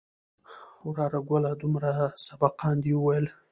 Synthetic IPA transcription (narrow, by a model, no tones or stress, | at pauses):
wɾɑɾaɡwalad̪umɾasabaqɑnd̪iwəwajəl